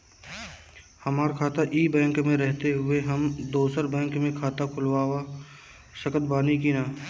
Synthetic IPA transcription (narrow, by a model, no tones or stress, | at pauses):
hɐmaːɾkʰaːt̪aʔiːbɛ̃ːŋkmẽɾɛɦt̪eɦʊeɦɐmd̪oːsəɾbɛ̃ːŋkmẽkʰaːt̪akʰʊlwaːwa | ʃɐkət̪baːnikiːnaː